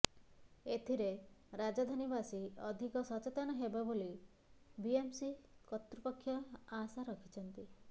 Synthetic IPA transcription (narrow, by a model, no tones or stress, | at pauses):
et̪ʰiɾeɾad͡ʒad̪ʱanibasiɔd̪ʱikɔsɔt͡ʃet̪anɔɦebaboli | biemsikɔt̪ɾupɔkʰːjɔasaɾɔkʰi̥t͡ʃʰɔnt̪i